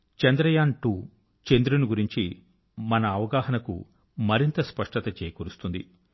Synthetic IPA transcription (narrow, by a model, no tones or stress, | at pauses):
t͡ʃɐnd̪ɾɐjaːɳʈuː | t͡ʃend̪ɾunuɡuɾiɲt͡ʃi | mɐnɐːʋɐɡaːɦɐnɐkṵ | mɐɾint̪ɐspɐʂʈɐt̪ɐt͡ʃeːjɐkoːɾust̪und̪i